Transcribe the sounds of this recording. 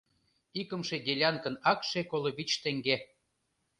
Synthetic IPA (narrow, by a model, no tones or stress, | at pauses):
ikə̆mʃed̪ʲelʲɑnkə̆nɑkʃekoloβit͡ɕt̪ĕŋɡe